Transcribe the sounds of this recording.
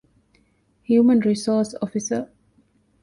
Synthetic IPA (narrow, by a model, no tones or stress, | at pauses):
hjumə̃nɹisɔsɔfisə